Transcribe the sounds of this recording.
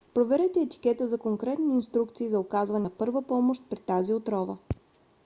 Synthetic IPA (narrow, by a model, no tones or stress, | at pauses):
pɾovɛɾɛt̪ɛːt̪i̥kɛt̪əzɐkoŋkɾɛt̪niːnst̪ɾuk̚t̪siːzɐʊkazvɐnɛpɤɾvəpɔmoʃt̪̚pɾit̪aziot̪ɾɔvə̰